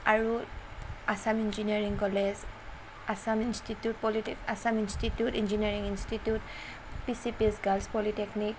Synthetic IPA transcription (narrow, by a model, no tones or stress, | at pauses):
aɹu | asamind͡ʒiniaɹiŋkɔlez | asaminstitjut̚pɔlitikasaminstitjutind͡ʒiniaɹiŋinstitjut | pisipiesɡalspɔliteknik